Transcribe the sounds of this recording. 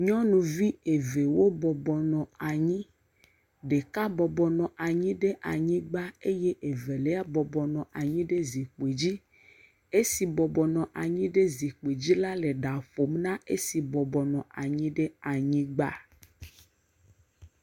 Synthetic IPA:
ɲɔ̃˦nũ˨vi˦e˨ve˨wo˦bɔ˨bɔ˨nɔ̃˨a˨ɲĩ˦ | ɖe˨ka˦bɔ˨bɔ˨nɔ̃˨ʔa˨ɲĩ˦ɖe˦ʔa˨ɲĩ˦ɡ͡ba˦e˦je˦ʔe˨ve˨le˦a˦bɔ˨bɔ˨nɔ̃˨ʔa˨ɲĩ˦ɖe˦zi˨k͡pe˨d͡ʑi˦ | e˦si˨bɔ˨bɔ˨nɔ̃˨ʔa˨ɲĩ˦ɖe˦zi˨k͡pe˨d͡ʑi˦la˦le˨ɖa˨ɸo˨mnã˦e˦si˨bɔ˨bɔ˨nɔ̃˨a˨ɲĩ˦ɖe˦a˨ɲĩ˦ɡ͡ba̰˦

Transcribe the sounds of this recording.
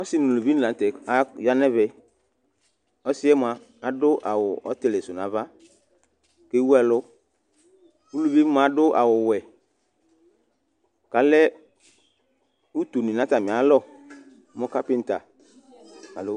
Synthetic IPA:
ɔ˦sɪ˦nʊ˨lu˨vi˦n˦˨la˨tɛ˨a˦ja˦nɛ˦vɛ˨ | ɔ˦sɪ˦ɛ˦m˨a˨ | a˨dʊ˦ʔa˨wʊ˨ʔɔ˦t̪ɪ˨le˨sʊ˨na˨va˦ | ke˦wu˦ɛ˨lʊ˦ | u˦lu˨vi˦m˦a˨˦dʊ˦ʔa̰˨wʊ˨wɛ˨ | ka˨lɛ˦ | u˦t̪u˨nĩ˨nã˨˦ta˨mĩ˨a˨˦lɔ˦˨˦ | mʊ˦ka˦pɪ˦n̩˨ta˨ | ka˨lʊ˦

